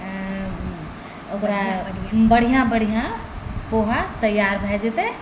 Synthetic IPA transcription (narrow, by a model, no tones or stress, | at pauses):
okɾabəɽ̤ijãbəɽ̤ijã | poɦat̪əjaɾbʱɛd͡ʒet̪e